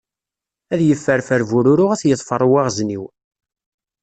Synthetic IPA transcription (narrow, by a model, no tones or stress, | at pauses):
æðjəfːəɾfəɾvʊɾʊɾʊʁæθjəðˤfərˤːwaʁzniw